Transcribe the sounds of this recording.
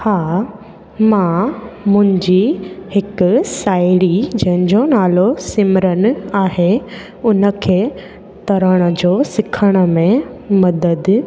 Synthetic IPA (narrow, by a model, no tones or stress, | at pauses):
haː | mãmʊ̃ɦɪ̃ɲd͡ʑihɪkʊsaːɪɽid͡ʑɐ̃ɦɪ̃ɲd͡ʑonaːlosɪmɾənɪ̆aːɦe | ʊnə̆kʰeː | t̪ɐɾəɽ̃ə̆d͡ʑoːsɪkʰəɽ̃ə̆mẽmɐd̪əd̪